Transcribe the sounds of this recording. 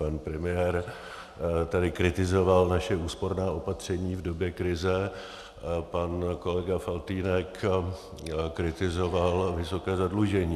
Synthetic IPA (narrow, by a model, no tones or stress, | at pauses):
panpɾɛmɪjɛɾ | t̪adɪkɾɪt̪ɪzo̞valnaʃɛuːspo̞ɾnaːʔo̞pat̪r̝̥ɛɲiːvdo̞bjɛkɾɪzɛ | panko̞lɛɡafalt̪iːnɛk | kɾɪt̪ɪzo̞valvɪso̞kɛːzadluʒɛɲiː